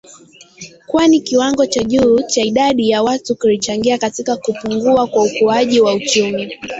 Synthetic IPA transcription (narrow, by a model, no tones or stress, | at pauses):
kwanikiwaŋɡɔt͡ʃaʄuːt͡ʃaiɗaɗijawatukulit͡ʃaŋɡiakatikakupuŋɡuakwaukuaʄiwaut͡ʃumi